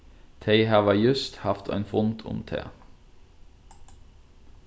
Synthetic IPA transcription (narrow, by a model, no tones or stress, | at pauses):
t̪ʰeɪhɑːʋəjʉst̪hɑft̪ʰæ̰ɪnfʊnt̪ʰʊ̰mt̪ʰḛː